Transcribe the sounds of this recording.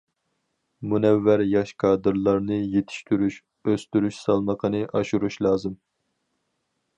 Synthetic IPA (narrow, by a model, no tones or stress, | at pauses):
munɛvːæɾjɑʃkʰɑːd̪ɨɾlˠɑɾnɨjet̪ʰi̥ʃt̪ʰyɾyʃ | øst̪yɾyʃsɑlˠməqʰənɨʔɑʃuɾuʃlˠɑːzɨm